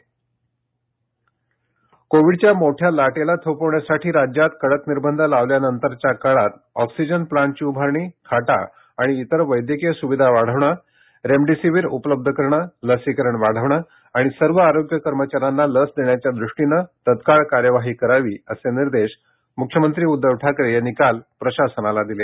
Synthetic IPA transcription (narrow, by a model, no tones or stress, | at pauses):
koʋiɖt͡ɕjamoʈʰjalaʈelat̪ʰəwpəʋɳjasaʈʰiːɾad͡ʑjat̪kəɽək̪niɾbənd̪ʱəlaʋljanənt̪əɾt͡ɕjakəɭat̪ | ɔksid͡ʑənplaɳʈ̚t͡ɕiːubʱaɾɳiːkʰaʈa̰ː | ɽ̃iːt̪əɾʋəjd̪jəkijəsuʋid̪ʱaʋaɽ̤əʋɳa | ɾemɖisiʋiːɾupələb̚d̪ʱəkəɾɳaləsikəɾəɳʋaɽ̤əʋɳa | aɽ̃isəɾʋəaɾoɡjəkəɾmət͡ɕaɾanːaləsd̪eɳjat͡ɕjad̪ɾuʂʈinət̪ət̪kaɭkaɾjəʋaɦiːkəɾaʋiːəseniɾd̪eɕ | mukʰjəmənt̪ɾiːud̪ːəʋʈʰakɾejenikalpɾəɕasənalad̪ile